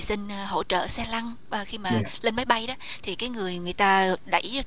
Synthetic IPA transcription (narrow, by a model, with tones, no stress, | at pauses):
sï˧ŋ̟ɦo̰˧˩t͡ɕə̰ː˧˨sɛ˧la˧ŋː˨˩ | xi˧maː˨˩le˧nma˨˦jɓa˧jɗɔː˨˦t̪ʰi˨˩kaː˨˦jŋɨ˨˩əjŋɨ˨˩əjt̪aː˧ɗa̰˧˩j